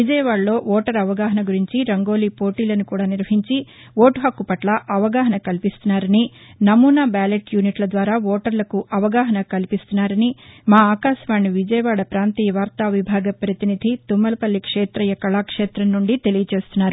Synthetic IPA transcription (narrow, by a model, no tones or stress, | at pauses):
ʋid͡ʒɐjɐʋaːɽlo̞ːʋɔːʈɐɾɐʋɐɡaːɦɐnɐɡuɾiɲt͡ʃiɾɐŋɡo̞ːliːpo̞ːʈiːlɐnukuːɽaːniɾʋɐɦiɲt͡ʃi | ʋoːʈuɦɐkːupɐʈlɐʔɐʋɐɡaːɦɐnɐkɐlipist̪unːaːɾɐni | nɐmuːnaːbaːleʈjuːniʈlɐd̪ʋaːɾaːʋɔːʈɐɾlɐkuʔɐʋɐɡaːɦɐnɐkɐlipist̪unːaːɾɐnimaːaːkaːʃɐʋaːɳːiʋid͡ʒɐjɐʋaːɽɐpɾaːnt̪iːjɐʋaːɾt̪aːʋibʱaːɡɐpɾɐt̪inid̪ʱit̪umːɐlɐpɐlːikʂeːt̪ɾɐjɐkɐɭaːkʂeːt̪ɾɐnːuɳɖit̪e̞lijɐt͡ʃe̞ːst̪unːaːɾu